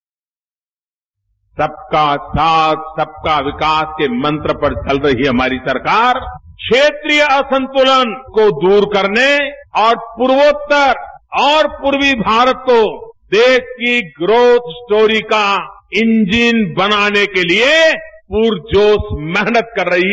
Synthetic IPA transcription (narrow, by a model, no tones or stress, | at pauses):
sɐb̚kasaːt̪̚ʰsɐb̚kaʋɪkaːskemɐ̃nt̪ɾəpɐɾt͡ʃɐlɾɐɦiɦɐmaːɾisɐɾkaːɾkʃeːt̪ɾijəɐsə̃nt̪ʊlənkod̪uːɾkɐɾneɔːɾpuɾʋoːt̪ːəɾɔːɾpʊɾwibʱaːɾət̪̚kod̪eːʃkiɡɾoːt̪ʰsʈoːɾikaɪ̃nd͡ʒinbɐnaːnekeliepuːɾd͡ʒoːsmɛɦnət̪̚kɐɾːɐɦi